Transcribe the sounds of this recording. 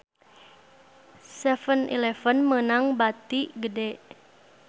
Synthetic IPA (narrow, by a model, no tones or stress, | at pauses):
sɛfənʔḭlɛfənmənaŋbat̪iɡədɛʔ